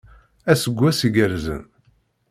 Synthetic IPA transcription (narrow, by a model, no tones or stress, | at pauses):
æsəɡʷːæsiɡəɾzə̰n